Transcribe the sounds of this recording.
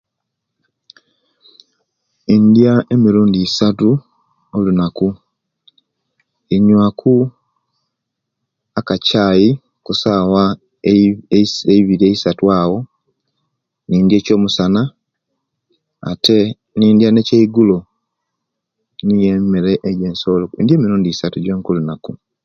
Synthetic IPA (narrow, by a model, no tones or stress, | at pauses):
indjae̞miɾuːndiːsatu | olunaku | iɲwakʰu | akacaːji | kusaːwa | eiβiɾieisatwaːwo̞ | niːndje̞ːco̞ːmusana | a̰te̞ | niːndjane̞ceiɡulo | nijemeɾeʔejɟensoloḭndje̞ːmiɾuːndiːsatuɟweːŋkolunaku